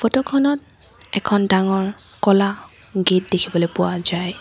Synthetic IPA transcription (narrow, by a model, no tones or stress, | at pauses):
pɔtɔkʰɔnɔt̚ | ɛkʰɔndaŋɔɹ | kɔla | ɡet̚dekʰibɔlojpʊwazaj